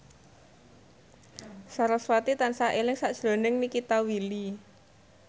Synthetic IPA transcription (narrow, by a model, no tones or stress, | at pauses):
saɾɔswat̪it̪ansaʔelɪŋsaʔd̥ʒ̥ɾo̤nɪŋnikit̪awili